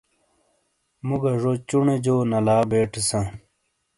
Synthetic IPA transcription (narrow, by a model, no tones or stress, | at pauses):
muɡɐʐot͡ɕuɳed͡ʑoːnɐlaːbeːʈesãː